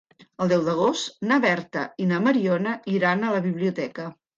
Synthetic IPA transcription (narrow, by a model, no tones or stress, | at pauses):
əlˠd̪ɛwd̪əɣ̞ost̪naβɛɾt̪ə̰inaməɾiɔnəiɾanələβiβliut̪ɛkə